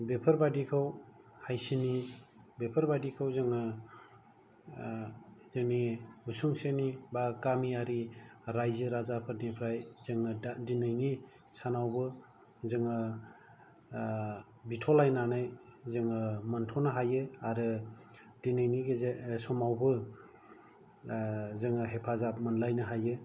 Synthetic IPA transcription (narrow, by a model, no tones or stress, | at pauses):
bepʰɯɾbadikʰawhajsinibepʰɯɾbadikʰawzɯŋɯ | zenibusuŋsenibakamiaɾiɾajzɯɾazapʰɯɾnipʰɾajzɯŋɯdinɯjni | sanawbɯ | zɯŋɯ | bitʰɔlajnanajzɯŋɯmantʰɔnɯɦajɯaɾɯ | dinɯjniɡesɔmawbɯ | zɯŋɯɦepʰazap̚mɯnlajnɯɦajɯ